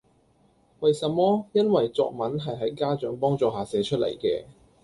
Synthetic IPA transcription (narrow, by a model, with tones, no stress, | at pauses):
wɐ˨jsɐ˨mːɔː˥jɐ˥nwɐ˨jt͡sɔ̰ː˨k̚mɐ˨˥nɦɐ˨jɦɐ˨˥jkaː˥t͡ʃœː˨˥ŋpɔː˥ŋt͡sɔː˨˩ɦaː˨˩sɛː˨˥t͡ʃʰɵ˥t̚lḛ˨˩jkɛ̰ː˧